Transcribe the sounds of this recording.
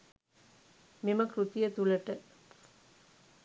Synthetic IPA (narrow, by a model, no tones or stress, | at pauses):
mimɐkɾut̪ijɐt̪ulɐʈɐ